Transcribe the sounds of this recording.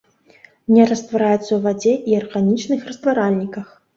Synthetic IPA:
nʲɛɾɐst̪vaɾajɛt̪sːɐwvad͡zʲɛʔiarɣanʲit͡ʂnɨxrɐst̪vaɾalʲnʲikɐx

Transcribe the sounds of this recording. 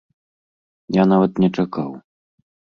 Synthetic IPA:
janavɐt̪nʲɛt͡ʂaka̰w

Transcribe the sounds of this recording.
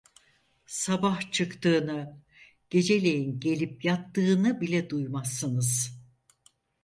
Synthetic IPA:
sabaht͡ʃʰɯkt̪ɯːnɯ | ɟ̥e̞d͡ʒe̞lʲe̞jinɟe̞lʲip̚jat̪ːɯːnɯbilʲɛd̪ujmasːɯnɯz̥

